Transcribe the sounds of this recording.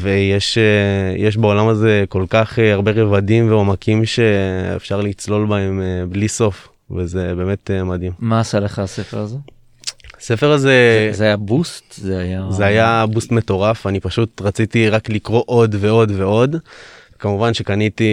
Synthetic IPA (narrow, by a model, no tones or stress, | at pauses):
vejeʃejeʃ̬beo̞lamaze̞ko̞lkaχeaʁbe̞ʁevadimveo̞makimʃe̞ḛfʃaʁlit͡slo̞lbae̞mebliso̞f | vezebeːme̞temad̪immaːsaleχaasefeʁaze | ase̞fe̞ʁaze̞zajabust̪zeajazeajabustme̞to̞ʁafanipaʃutʁat͡sitiʁaklikʁo̞ʔo̞dve̞o̞dve̞o̞d̪ | kamuvanʃe̞kaniti